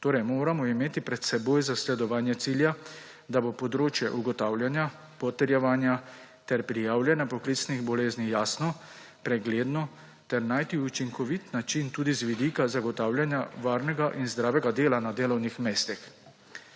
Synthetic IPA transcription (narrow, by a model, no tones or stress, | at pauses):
t̪oːɾɛjmoːɾamɔimeːt̪ipɾɛt̪sɛboːjzaslɛd̪ɔʋaːnjɛt̪siːlja | d̪abopɔd̪ɾoːt͡ʃjɛʔuɡɔt̪aːwljanja | pɔt̪ɛɾjɛʋaːnja | t̪ɛɾpɾijaːwljɛnjapɔklit̪sniɣbɔleːznijaːsnɔ | pɾɛɡleːd̪nɔ | t̪ɛɾnajt̪iut͡ʃiŋkɔʋit̪nat͡ʃint̪uːd̪izʋid̪ikazaɡɔt̪aːwljanjaʋaːɾnɛɡaʔinzd̪ɾaːʋɛɡad̪eːlanad̪eːlɔwnixmeːst̪ix